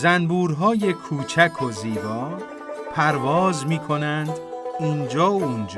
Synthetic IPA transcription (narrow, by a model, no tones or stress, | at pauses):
zænbuːɾɦɒːje̞kʰuːt͡ʃʰækʰo̞ziːbɒː | pʰæɾvɒːzmiːkʰo̞nænd̪iːnd͡ʒɒːund͡ʒː